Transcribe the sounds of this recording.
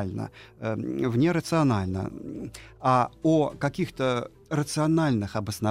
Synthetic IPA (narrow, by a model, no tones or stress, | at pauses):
lʲnə̰ | vnʲeɾət̪sɨɐnalʲnə̰ | aokɐkʲixt̪ə | ɾət̪sɨɐnalʲnɨxɐbəsnɐ